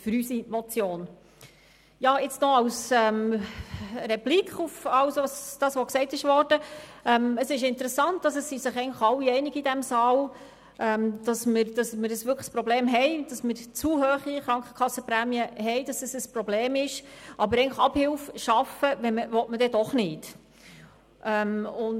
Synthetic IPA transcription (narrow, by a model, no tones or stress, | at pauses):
fʏɾysimɔt͡sjoːn | jɑːɪt͡snɔɑwsɛːm | rɛplikχufɑwsɑsd̥ɑːsʋɔksɛɪtɪʃʋɔrd̥əɛməsɪʃɪntəɾɛsɑnt̚d̥ɑs̬əsːisɪχɛɪŋləχɑwːiɛɪnɪɡidæmsɑːl | ʔɛmd̥ɑsməɾd̥ɑsməɾəsvʋʏkχəspɾɔbleːmɦɛɪd̥ɑsmɪɾt͡suːhøːχiχɾɑŋkχə̥kʰɑsːəpɾæːmiəɦɛɪd̥ɑsəsəsprɔbleːmɪʃʔɑbəɾɛɪŋnləχɑbhɪlfʃɑfəʋɛməʋɔtmədɛdɔχnɪt | ʔɛmʊn